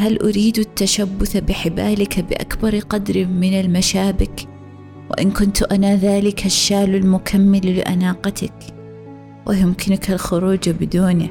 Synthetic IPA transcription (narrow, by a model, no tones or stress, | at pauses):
halʔʊɾiːd̪at̪ːaʃabːʊθabɪħɪbaːlɪkbɪʔa̰kbɑɾˤqɑd̪ɾɪmɪnalmaʃaːbɪk | wɪ̰ʔɪnkʊnt̪ʔanaðaːlɪkaʃːaːlalmʊkʰamːalːɪ̰ʔa̰naːqɑt̪ak | wʔɪ̰jʊmkɪnʊkalxʊɾuːd͡ʒbɪd̪uːnɪ